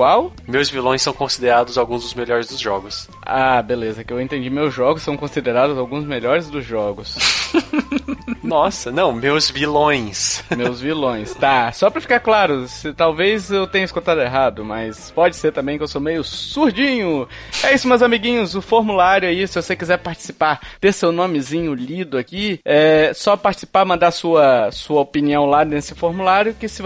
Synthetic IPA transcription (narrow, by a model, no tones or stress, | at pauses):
kwaw | mewzvilõj̃sɐ̃w̃kõsid̪eɾad̪ʊzawɡũzd̪ʊzmeʎɔɾɪzd̪ʊzʒɔɡʊs | abelezɐkɪewẽnt̪ẽd͡ʒimewzʒɔɡʊsːɐ̃w̃kõsid̪eɾad̪ʊzawɡũzmeʎɔɾɪzd̪ʊzʒɔɡʊs | nɔsɐnɐ̃w̃mewzvilõj̃smewzvilõj̃st̪asɔpɾɐfi̥kaɾklaɾʊsɪt̪awvezewt̪ẽɲɐɪskut̪ad̪ʊeɦad̪ʊmɐ̰spɔd͡ʒɪseɾt̪ɐ̃mbẽj̃kɪewsomejʊsuɾd͡ʒĩɲʊ | ɛisʊmɐzamiɡĩɲʊzʊfoɾmulaɾjʊɛisɪvosekizɛɾpaɾt͡ʃi̥sipaɾt̪eɾsewnõmɪzĩɲʊʎid̪ʊakiɛsɔpaɾt͡ʃɪ̥si̥paɾmɐ̃nd̪aɾsuɐsuɐopiniɐ̃w̃lanesɪfoɾmulaɾjʊkɪsɪ